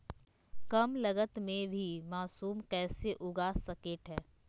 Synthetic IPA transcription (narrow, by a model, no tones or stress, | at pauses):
kɐmlɐɡət̪mẽbʱimaːsuːmkɛːseʔʊɡaːsɐkeːʈɦɛː